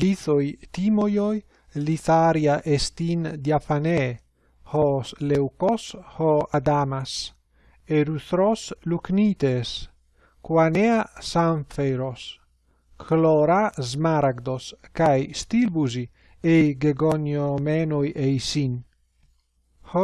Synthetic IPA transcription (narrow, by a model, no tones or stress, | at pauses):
liθojt̪imojoj | liθaɾjaʔest̪ind̪jafane | hɔslewkoshɔad̪amas | eɾuθɾosluknit̪es | kwaneasaɱfeɾos | kʰlɔɾazmaɾaɡd̪oskajst̪ilbuzi | ejɡeɡonjomenojʔejsin | h